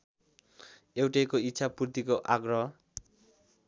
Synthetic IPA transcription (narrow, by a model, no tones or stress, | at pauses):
ewʈejkoit̪ːsʰapurt̪ikoʔaɡrʌ